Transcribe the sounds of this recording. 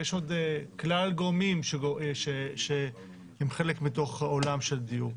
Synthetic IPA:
jeʃo̞d̪klalɡomimʃeoʃeʃe | hemχe̞lekmito̞χolamʃeld̪ijuʁ

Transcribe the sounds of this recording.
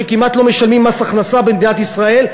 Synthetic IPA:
ekimat̪lo̞me̞ʃalmimːasaaχnasabemd̪inat̪isʁae̞l

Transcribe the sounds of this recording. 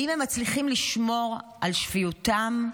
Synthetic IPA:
imhemːat͡sliχimliʃmo̞ʁʔalʃfijutam

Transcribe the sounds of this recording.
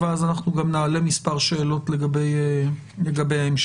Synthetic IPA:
veazanaχnuɡamnaːle̞mispaʁʃe̞ːlo̞tle̞ɡabe̞je | le̞ɡabe̞jaemʃ

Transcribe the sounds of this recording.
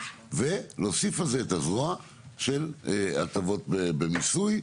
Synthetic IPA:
velo̞sifalzeːthazua | ʃe̞la̰tavo̞t̚bebemisuj

